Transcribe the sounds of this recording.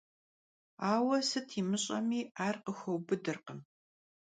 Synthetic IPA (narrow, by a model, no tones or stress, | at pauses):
aːwɐsɨtʰiːmɨɕʼɐ̰miːaːrqəxɐwbɨdɨrqəm